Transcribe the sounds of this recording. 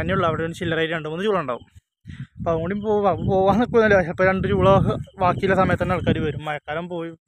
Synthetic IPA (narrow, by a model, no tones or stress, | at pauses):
ɐnːiuɭːɐɐʋiɽeont͡ɕilːɐraːjɾeɳɖumunːɨt͡ɕuːɭɐuɳɖa̰ːʋum | ɐpoɐðɨkoɳɖiumpoːapo̞ːʋaːnːokːunːɐlːpːɐɾeɳɖut͡ɕuːɭɐɨʋaːkːijilɐsɐmɐjɐt̪ːɐnːɐɭkːaːɾuʋɐɾumːɐjɐkːaːɾɐmpo̞ːju